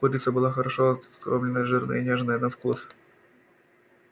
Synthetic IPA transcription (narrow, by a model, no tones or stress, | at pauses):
uɾʲit̪səbɨlˠaxɐɾɐʂokɾomlʲɪnəjʐɨrnɨ̰jənʲeʐnəjənɐfkus